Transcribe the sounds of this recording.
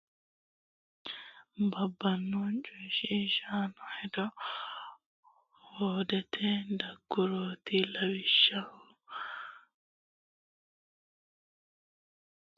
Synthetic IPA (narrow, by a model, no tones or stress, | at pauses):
bɐbːɐnːɔt͡ʃʼʊʃiʃaːnɔhɛd̪ɔ | hoːd̪ɛt̪ʰɛd̪ɐɡːʊɾoːt̪ɪlɐwɪʃːɐ